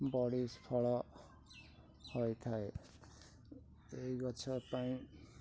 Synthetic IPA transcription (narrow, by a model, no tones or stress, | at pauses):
bɔɽispʰɔɭɔ | hojt̪ʰae | ejɡɔt͡ʃʰɔpaĩ